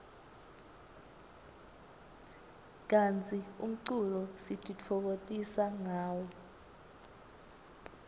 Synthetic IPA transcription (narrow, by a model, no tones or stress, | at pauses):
k̬ant͡sʰʼium̩ǀulɔsidʰʱʼit͡fʰɔk̬otʼisaŋaːwɔ